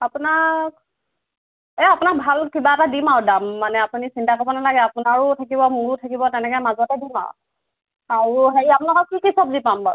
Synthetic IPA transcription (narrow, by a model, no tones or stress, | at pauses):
apunak | ɛapunak̚bʱalkibatadimawdamːanɛapunisintakɔbɔnalaɡɛapʊnaɹʊtʰakibɔmuɹʊtʰakibɔtɛnɛkɛmazɔtɛdima̰w | aɹuɦeɹiapunakɔkikisɔbzipamba̰ɹ